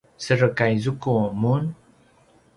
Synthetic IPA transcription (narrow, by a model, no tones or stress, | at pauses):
səɾəkajzukumun